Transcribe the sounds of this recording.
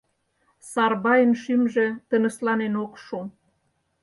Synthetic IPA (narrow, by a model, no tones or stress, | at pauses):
sɑrβɑjənʃymʒĕt̪ənə̆slɑnenokʃu